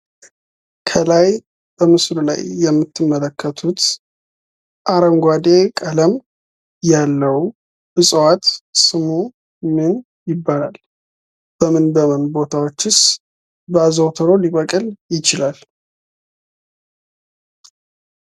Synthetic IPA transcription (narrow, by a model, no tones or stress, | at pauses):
kʰəlaj | b̥əmɨsɾula̰jːɛmːɨt̪ʰːɨmːələkʰːət̪ʰut̪ | ʔaɾəmɡʷad̪ekʼələm | jalːəw | ʔɨsʼwat̪sɨmu | mɨn | jɪbːalal | b̥əmɨnbəmənbo̞t̪ʰawot͡ʃːɨs | bəazəwt̪ʰəɾo̞liβəkʼɨljɪt͡ʃɪlal